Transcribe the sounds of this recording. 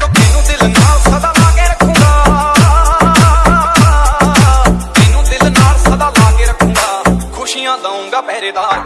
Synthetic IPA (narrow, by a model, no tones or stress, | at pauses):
t̪ɪnũːd̪ɪlnaːlsəd̪ãːlaːɡeːɾəkʰũːɡaː | t̪ɪnũːd̪ɪlnaːlsəd̪ãːlaːɡeːɾəkʰũːŋɡaːkʰʊʃijãːd̪aːũːɡaːpɛːɾeːd̪aː